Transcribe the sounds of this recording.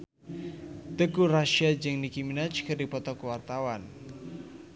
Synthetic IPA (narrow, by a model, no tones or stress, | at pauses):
t̪əkuraʃiad͡ʒɨŋnikiminat͡ʃkɨrdipɔt̪ɔkwart̪awan